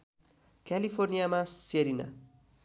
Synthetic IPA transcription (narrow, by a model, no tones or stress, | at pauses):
kjalipʰornijamaseɾina̰